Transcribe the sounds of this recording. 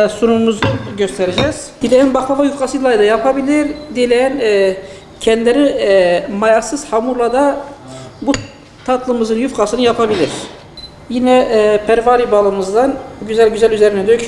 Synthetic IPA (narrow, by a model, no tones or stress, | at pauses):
sunumuzuɟøst̪ʰɛɾed͡ʒɛz̥ | d̥ilʲejænbaxˠavajyfqasɯlˠajd̪ajapʰabilʲiɾd̪ilʲejɛn | cʰɛnd̪lʲeɾimajasɯz̥hamuɾlˠad̪a | bu | t̪ʰat̪lˠɯmɯzɯnjyfqasɯnɯjapʰabilʲiɾ̥ | jinɛpʰæɾvaɾibalˠɯmɯzd̪anɟyzælʲɟyzælʲyzeɾinɛd̪yj